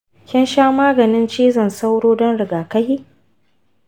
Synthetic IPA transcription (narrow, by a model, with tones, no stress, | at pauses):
kʲɪ˦nʃaː˦maː˦ɡɐ˨nɪ˦nt͡ʃiː˦zɐ˨nsa˦wɽoː˦dɔ˦nɽɪ˨ɡaː˨kɐ˦hiː˦